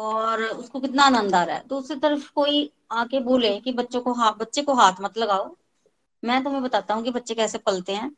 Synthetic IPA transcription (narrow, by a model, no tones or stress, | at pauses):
ɔːɾʊskokɪt̪naːnə̃nd̪aːɾɛ̰ːt̪uːʊsɾet̪əɾəfkoːi | aːkeboːlekibətːʃõkoɦabətːʃekoɦaːt̪ʰmət̪ləɡaːoː | mɛ̃ːt̪̬ʊmẽbət̪aːt̪aːɦũːkibətːʃekɛːsepəlt̪eɦɛ̃ː